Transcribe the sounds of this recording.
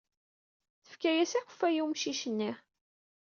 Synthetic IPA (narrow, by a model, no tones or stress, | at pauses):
θə̥fkæjæsæxə̥fːæjuwmʃiʃənːi